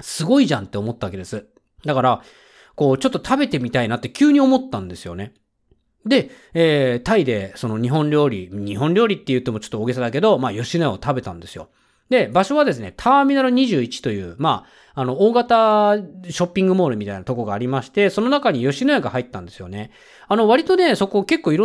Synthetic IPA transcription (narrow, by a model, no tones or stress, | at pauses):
sɨɡo̞iʑã̰nt̪ːe̞omo̞t̪ːaβake̞d̪e̞sɨ | d̪akaɾa | ko̞ːt͡ɕo̞t̪ːo̞t̪ʰabe̞t̪e̞mʲit̪ainat̪ːe̞kʲɨːɲ̟io̞mo̞t̪ːãnd̪e̞sɨjo̞̰ne̞ | d̪e̞ | eːt̪aid̪e̞so̞no̞ɲ̟iɦõ̞ɲɾʲo̞ːɾʲiɲ̟iɦõ̞nɾʲo̞ːɾʲit̪ːe̞jɯ̟t̪ːemo̞t͡ɕo̥t̪ːoːɡe̞s̬ad̪ake̞d̪o̞maːjo̞ɕinojaot̪abe̞t̪ãnd̪e̞sɨjo̞̰ | d̪e̞baɕo̞β̞ad̪e̞s̬ɨne̞t̪ʰaːmʲinaɾɯɲ̟iʑɨːit͡ɕi̥t̪o̞jɯ̟̰ːmaː | no̞oːɡat̪a | ɕo̞pʲːĩŋɡɯ̟mo̞ːɾɯ̟mʲit̪ainat̪o̞koɡaːɾʲimaɕi̥t̪e̞so̞no̞nakaɲ̟ijo̞ɕinoeaɡahait̪ːãnd̪e̞sɨjo̞̰ne̞ | ano̞βaɾʲit̪o̞ne̞so̞ko̞ːke̞kːo̞ːiɾõ